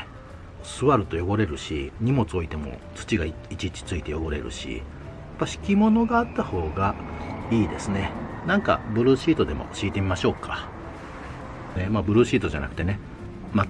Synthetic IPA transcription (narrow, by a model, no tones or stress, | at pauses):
sɨβaɾɯ̟t̪o̞jo̞bo̞ɾe̞ɾɯ̟ɕḭɲ̟imo̞t͡sɨo̞it̪e̞mo̞̰t͡sɨ̥t͡ɕiɡa | it͡ɕit͡ɕi̥t͡sɨit̪e̞jo̞bo̞ɾe̞̰ɾɯ̟̰ɕḭ | jjapːaɕi̥kʲimo̞no̞ɡaːt̪ːaho̞ːɡaiːd̪e̞sɨne̞nãŋka̰bɯ̟ɾɯ̟ːɕiːt̪o̞d̪e̞mo̞̰ɕiːt̪e̞mʲimaɕo̞ːkʰa | nemaːbɯ̟ɾɯ̟ːɕiːt̪o̞d͡ʑa̰na̰kɯ̟t̪e̞ne̞ | ma